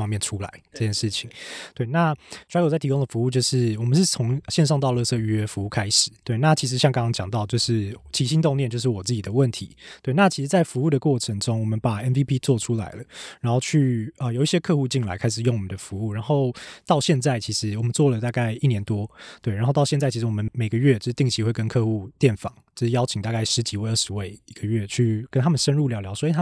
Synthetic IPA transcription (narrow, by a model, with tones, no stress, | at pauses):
ɑ˥ŋmjɛ˥˩nʈ͡ʂʰu˥˦la̰˧˦ɪʈ͡ʂə˥˧t͡ɕʰjɛ˥nʂɻ̩˥˩t͡ɕʰi˨˩˦ŋt̪we˥˩ɪna˥˩˨ja˥˩t̪ʰi˧ko˥ŋd̪ə˨˩fu˧˦u˥˧t͡ɕjo˥˧ʊʂɻ̩˥˩wɔ˨˩mə˨nʂɻ̩˥˩t͡sʰo˧˥ŋɕjɛ˥˧nʂ̬ɑ˥˧ŋt̪ɑ˥˧ʊlɤ˥˧sɤ˥˧y˥ɥɛ˧˥fu˧˥u˥˩kʰa˥ɪʂɻ̩˨˩˦t̪we˥˩ɪna˥˩t͡ɕʰi˧˥ʂ̬ɻ̩˧˥ɕjɑ˥˧ŋkɑ˥ŋkɑ˥ŋt͡ɕjɑ˨˩ŋt̪ɑ˥˧ʊt͡ɕjo˥˧ʊʂɻ̩˥˩t͡ɕʰi˧˨˥ɕi˥nt̪ŋnjnt͡ɕjʊʂ̬ɻ̩˥˩wɔ˨˩t͡sɹ̩˥˩t͡ɕi˨˩d̪ə˩wə˥˩nt̪ʰḭ˧˦t̪we˥˩ɪna˥˩t͡ɕʰi˧˥ʂɻ̩˧˥t͡sa˥˩ɪfu˧˥u˥˩d̪ə˩kwɔ˥˩ʈ͡ʂʰə˧˦ŋʈ͡ʂʊ˥ŋwɔ˨˩mə˦npa˨˩ɛ˥nvi˦˥pʰi˦˥t͡swɔ˥˩ʈ͡ʂʰu˥la̰˧˥ɪlə˧ɻa˧˥nxo˥˧ʊt͡ɕʰy˥˩ə˩jo˨˩ʊi˥˩ɕjɛ˥kʰɤ˥˧xu˥˧t͡ɕi˥˩ŋla̰˧˥ɪkʰa˥ɪʂ̬ɻ̩˨˩jo˥˩ŋwɔ˨˩mə˨nd̪ə˦fu˧˦u˥˩ɻa˧˥nxo˥˩ʊt̪ɑ˥˧ʊɕjɛ˥˧nt͡sa˥˩ɪt͡ɕʰi˧˥ʂɻ̩˧˦wɔ˨˩mə˦nt͡swɔ˥˩lə˩t̪a˥˧ka˥˩ɪi˥˩njɛ˧˦nt̪wɔ˦t̪we˥˩ɪa˨˧nxo˥˧ʊt̪ɑ˥˧ɕjɛ˥˧nt͡sa˥˩ɪi˥ʂ̩˩˧wɔ˨˩mə˧˦nme˨˩ɪɡə˦ɥɛ˥˩t͡ɕo˥˧ʂɻ̩˥t̪i˥˩ŋt͡ɕʰi˧˥xwe˥˩ɪkə˦nkʰɤ˥˧xu˥˧t̪jɛ˥˩nfɑ̰˨˩˦ŋt͡ɕt͡ɕjo˥˧ʂɻ̩˥˩jɑ˥ʊt͡ɕʰi˨ŋt̪a˥˧ka˥˩ɪʂɻ̩˧˥t͡ɕi˨˥we˥˧ə˥˩ʂɻ̩˧˥we˥˩ɪi˧˦ɡə˨ɥɛ˥˩t͡ɕʰy˥˩kə˥nt̪ʰa˥mə˨nʂə˦˥nɻu˥˩ljɑ˧˥ljɑ˧˥ʊswɔ˧˥i˧t̪ʰa˥